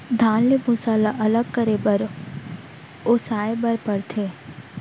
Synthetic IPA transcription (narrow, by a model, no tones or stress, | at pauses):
d̪ʱaːnlemʊsalaʔɐləɡ̚kəɾebəɾ | oːsaːebəɾpəɾt̪ʰeː